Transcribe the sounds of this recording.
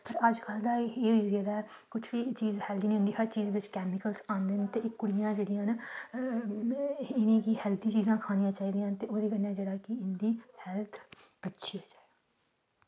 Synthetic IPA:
pʰəɾəd͡ʒkʰəld̪aːeːizaːd̪aːɛː | kʊt͡ʃʰʋiːt͡ʃiːzhɛːld̪iːnːõnd̪iːɦəɾt͡ʃiːzʋɪt͡ʃkɛːmɪkəlsãːnd̪eːnt̪eːʔɪkːʊɽɪjãːd͡ʒeːɽɪjãːn | ɪnẽːkiɦɛːld̪ĩːt͡ʃiːzãːkʰaːñijãːt͡ʃaːiːd̪ijãːnt̪eːʔoːd̪iːkənːãːd͡ʒeːɽaːkɪɪnd̪iːhɛːlt̪ʰ | ətːʃʰiaːd͡ʒaːe

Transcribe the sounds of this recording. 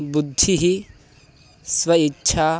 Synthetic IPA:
bud̪ʱːiɦi | sʋwɐitːʃʰa

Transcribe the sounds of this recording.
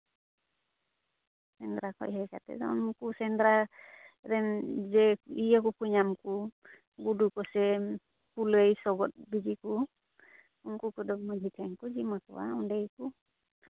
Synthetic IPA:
sɛnd̪ɾakʰɔ̰ʔɦɛka̰t̪ɛ̰dɔ̰unkusɛnd̪ɾa | ɾɛnd͡ʒɛijak̬ukuɲamku | ɡudukɔsɛ | puləjsɔɡɔt̪̚bid͡ʒiku | unkukɔd̪ɔmɔd͡ʒit̪ʰɛŋkud͡ʒimakɔ̰wa̰unɖejku

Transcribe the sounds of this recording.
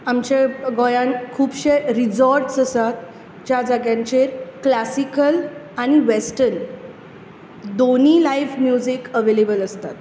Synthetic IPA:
amt͡ɕeɡɔjãnkʰuːbɕeɾid͡zɔɾʈsəsat̪ | d͡ʑjad͡zaɡjãɲt͡ɕeɾklasikəl | añiʋesʈən | d̪oniːlajfmjud͡ʑikəʋelebələst̪at̪

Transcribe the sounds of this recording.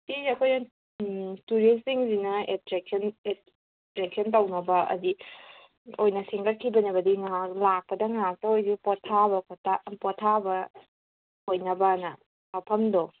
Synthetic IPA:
iɐkʰojnɐ | tuɾisiŋzinɐetɾek̚ne | tɾek̚sɐntɐwnɐbɐɐ̰di | ojnɐseŋkɐt̚kʰːibɐnɐbɐdiŋaalak̚pɐdɐŋak̚tɐojsipɔtʰːabɐkʰotapɔtʰabɐ | hojnɐbɐnɐ | mɐpʰɐmdo

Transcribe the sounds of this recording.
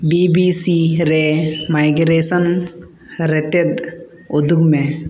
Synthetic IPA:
bibiːsiɾemajɡɾeːsən | ɾet̪et̪ | od̪ʱuɡmẽ

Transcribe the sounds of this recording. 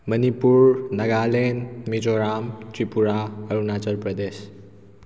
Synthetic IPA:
mənipuɾnɐɡalenmid͡ʒoɾamtipuɾaəɾunat͡ʃəɾpɾəd̪es

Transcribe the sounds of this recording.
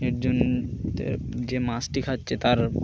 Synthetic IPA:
ek̚d͡ʑon | d͡ʑemasʈikʰatːɕʰet̪aɾ

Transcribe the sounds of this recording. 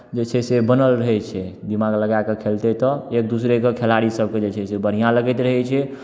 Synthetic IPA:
d͡ʒet͡ʃʰɛsebənəlɾəɦɛt͡ʃʰɛd̪imaɡləɡakekʰelt̪et̪ɔek̚d̪usɾekekʰelaɾisəb̚ked͡ʒet͡ʃʰɛsebəɽ̤̃ijãləɡɛt̪ɾəɦɛt͡ʃʰɛ

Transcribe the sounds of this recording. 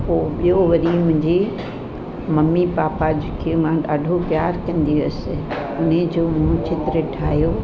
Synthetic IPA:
poːɓijoʋɐɾimʊ̃ɲd͡ʑiː | mɐmipaːpad͡ʑʊkʰijumãɗaːɖʱopjaːɾkɐ̃nd̪iɐsɪ̆ | ʊned͡ʑoːmũt͡ɕɪt̪ɾəʈʰaːɦjoː

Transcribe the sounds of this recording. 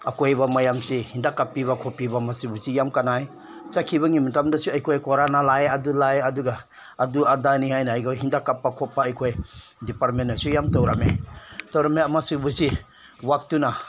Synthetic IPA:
akojbamajamsihindakapːiβakʰopibamasɯbusijamkanaj | t͡ʃakʰibaŋimatamdasuajkʰojkɔɾanalajadulajɐduɡaː | duadanihajnaːjɡawɦindakapːakʰɔpːaːjkʰojdipaɾt̚menːasujamtowɾamḛtowɾameamasɯbusi | wak̚tuna

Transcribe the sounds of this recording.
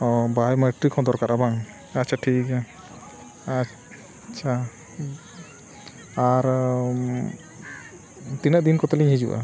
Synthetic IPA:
ɔbajmaʈɾikʰɔ̃d̪ɔɾkaɾʔabaŋ | atːt͡ʃʰaʈʰikɛ | a | t͡ʃʰa | aɾ | t̪inaʔd̪inkɔt̪ɛliɲɦid͡ʒuʔa̰

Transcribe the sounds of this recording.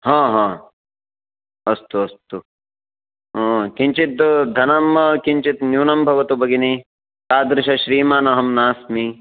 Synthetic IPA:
ɦãːɦãː | ɐst̪uɐst̪u | ɦːkiɲt͡ʃit̪d̪ʱɐnɐmkiɲt͡ʃit̪njuːnɐmbʱɐʋɐt̪ubʱɐɡini | t̪aːd̪ɾɪʃɐʃɾiːmaːnɐɦɐmnaːsmi

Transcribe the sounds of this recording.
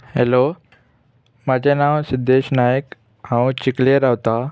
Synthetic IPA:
helo | mad͡ʑenãwsid̪ʱːeːɕnajək | hãwũt͡ɕikleəɾawt̪a

